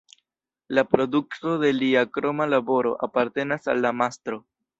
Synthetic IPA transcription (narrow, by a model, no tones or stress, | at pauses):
lapɾo̞dukto̞de̞liakɾo̞malabo̞ɾo̞̰ʔapaɾte̞nasa̰lːamast̪ɾo̞